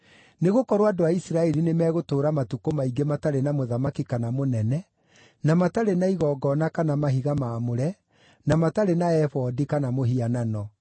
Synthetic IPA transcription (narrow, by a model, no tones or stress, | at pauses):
neɣokɔɾowadoaisiɾaɛɾinemɛːɣotoːɾamatukomaiɡemataɾenamoðamakikanamonɛnɛ | namataɾenaiɣɔɡɔnakanamaɦiɣamaːmoɾɛ | namataɾenaɛfɔdikanamoɦiananɔ